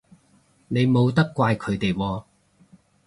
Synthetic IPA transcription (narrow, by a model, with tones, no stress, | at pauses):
ne˨˧jmo˨˧wt̪ɐ˥kʷːwaː˧jkʰɵ˨˧ɥt̪e˨jwɔː˧